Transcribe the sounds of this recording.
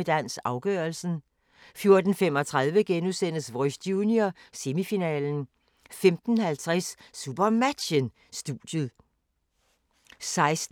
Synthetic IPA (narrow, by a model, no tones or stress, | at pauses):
əd̥æn̰sɑ̈ʊɡ̥œɐlsn̩ | fjo̝ɐd̥n̩femɒ̽t͡sʰʁað̞ˠʋəɡ̥enusen̰əsʋɒsd̥juːnjose̝mifinɛ̰ːln̩ | femd̥n̩hælt͡sʰʁɛsːub̥ɐmæd̥ɕən | sd̥ṵːd̥jəð̩ˠ | sɑ̈ɪs